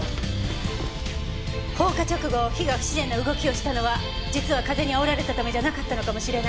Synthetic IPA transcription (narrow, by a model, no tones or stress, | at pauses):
ho̞ːkat͡ɕo̞kɯ̟ɡo̞çiɡḁɕizẽ̞nːoɯ̟ɡo̞kʲio̞ɕi̥t̪ano̞βa | d͡ʑit͡sɨβakaze̞ɲ̟iaoɾaɾe̞t̪at̪ame̞d͡ʑanakat̪ːano̞kamo̞ɕiɾe̞na